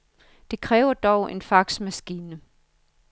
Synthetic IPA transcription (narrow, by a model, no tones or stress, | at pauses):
d̥e̝kʰʁɛːʊɐd̥ɒʊʔe̝nfɑ̈ɡ̥smæsɡ̥iːnə